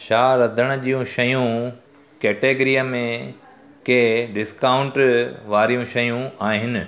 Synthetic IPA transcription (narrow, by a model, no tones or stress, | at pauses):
ʃaːɾɐd̪ʱəɽ̃ʊ̆ʄijũʃɐjũ | kɛːʈeːɡɾijəmẽ | keɖɪskaːʊ̃ɳʈʋaːɾijũʃɐjũaːɦɪnɪ̆